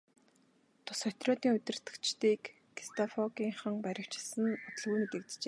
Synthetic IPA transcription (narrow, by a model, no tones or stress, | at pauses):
t̪ʰʊ̥sχœt̪rɔːt̪iːŋɵt̪ʲɪ̆r̥t̪ɘ̆kt͡ɕt̪iːkː | i̥st̪ʰɔfɔɡiːŋχə̆ŋpæɾʲɪ̆w̥t͡ɕɪ̆sɘ̆nʊt̪ɞ̆ɮɣuːjmet̪ĕkt̪t͡ɕeː